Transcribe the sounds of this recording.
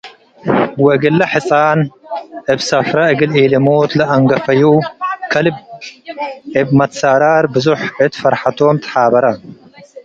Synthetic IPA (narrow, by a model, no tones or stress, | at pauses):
wɐɡɐlːɐħɨsʼanʔɨbsɐfɾaɨɡɨlilɐmot̪lɐɐŋɡɐfɐjukʰɐlɨb | ʕɨbmɐt̪saɾaɾbɨzuħʕɨt̪fɐɾħat̪ʰomt̪ʰɐ̥ħabɐɾɐ